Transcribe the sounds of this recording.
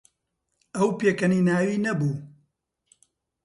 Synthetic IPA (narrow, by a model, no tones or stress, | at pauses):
ɐwpeːkɐniːnaːwiːnɐbuː